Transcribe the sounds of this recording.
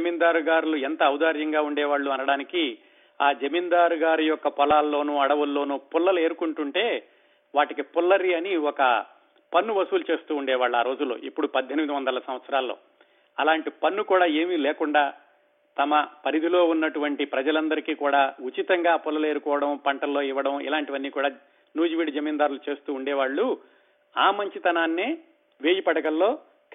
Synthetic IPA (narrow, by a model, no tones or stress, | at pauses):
d͡ʒɐmind̪aːɾuɡaːɾuluɛnt̪ɐːwd̪aːɾjɐŋɡaːuɳɖɛːʋaːɭːuɐnɐɽaːniki | aːd͡ʒɐmind̪aːɾuɡaːɾijɔkːɐpɔlaːlːo̞ːnuːɐɽɐʋulːo̞ːnuːpulːɐle̞ːɾukuɳʈuɳʈe̞ː | ʋaːʈikipulːɐɾiɐniɔkɐ | pɐnːuʋɐsuːlut͡ʃe̞ːst̪uːɳɖɛːʋaːɭːuaːɾo̞ːd͡ʒulːo̞̰ːʔipːuɽupɐd̪ʱjenimid̪iʋɐnd̪ɐlɐsɐmʋɐt̪sɐɾaːlːo̰ː | ɐlaːɳʈipɐnːukuːɽaːe̞ːmilɛːkuɳɖaː | t̪ɐmɐpɐɾid̪ʱilo̞ːunːɐʈuʋɐɳʈipɾɐd͡ʒɐlɐnd̪ɐɾikiːkuːɽaːut͡ʃit̪ɐŋɡaːpulːɐleːɾukɔːʋɐɽɐmpɐɳʈɐlːo̞ːiʋːɐɽɐmḭlaːɳʈiʋɐnːiːkuːɽaː | nuːd͡ʒiʋiːɖid͡ʒɐmiːnd̪aːɾulut͡ʃe̞ːst̪uːɳɖɛːʋaːɭːu | aːmɐɲt͡ʃit̪ɐnaːnːe | ʋeːjipɐɽɐɡɐlːo̞ː